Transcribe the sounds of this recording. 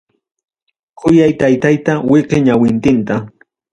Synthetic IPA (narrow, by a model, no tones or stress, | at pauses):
kʰʊjajt̪ajt̪ajt̪awɪqɪɲawɪnt̪ɪnt̪a